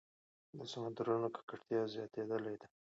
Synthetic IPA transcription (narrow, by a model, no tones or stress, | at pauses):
d̪əsamand̪aɾunokʰḁkəʈt̪jɑzjɑt̪ed̪əlajd̪a